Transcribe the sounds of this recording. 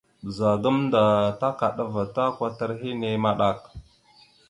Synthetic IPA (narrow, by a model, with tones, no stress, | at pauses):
za˨ɡə˦mnda˨ta˦ka˨ɗa˨va˨ta˦kʷa˦ta˦ɾɦi˦ne˨ma˦ɗa˨k̚